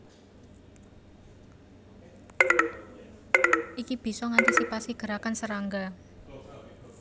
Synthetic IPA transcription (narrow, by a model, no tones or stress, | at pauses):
ʔikib̥i̤sɔŋant̪isipasiɡ̥ə̤ɾakansəɾaŋɡa